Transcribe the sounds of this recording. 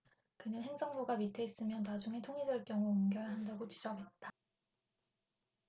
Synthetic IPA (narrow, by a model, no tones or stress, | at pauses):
kɯnɯnɦeŋd͡ʑʌŋbuɡamitʰe̞is͈ɯmjʌnnad͡ʑuŋɦe̞tʰoŋidɯɭk͈jʌŋuunɡjʌjaɦandaɡot͡ɕid͡ʑʌɡɦe̞t̚t͈a